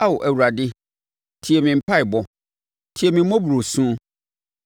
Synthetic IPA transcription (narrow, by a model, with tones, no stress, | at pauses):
a˦wɔ˨ʔæ˨wu˨ɾa˨dɪ˦ | tʰi˨ɛ˨mĩ˨m̩˨pʰa˦ɪ˨bɔ˨ | tʰi˨ɛ˨mĩ˨m̩˦mɔ̃˦bu˨ɾo˨sũ˦